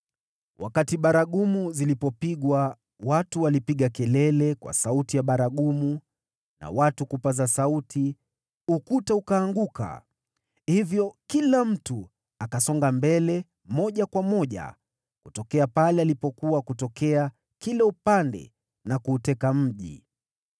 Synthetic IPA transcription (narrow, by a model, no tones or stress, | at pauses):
wʔa̰katiɓaɾaɠumuzilipɔpiɠwa | watuwalipiɠakɛlɛlɛkwa̰sautijaɓaɾaɠumu | na̰watukupazasautʰi | ukutaukaːŋɡuka̰ | hivjɔkilam̩tu | akasɔŋɡambɛlɛ | mɔʄakwamɔʄa̰ | kutɔkɛapalɛalipɔkuwakutɔkɛa | kilaupandɛ̰ | nakuːtɛkam̩ʄḭ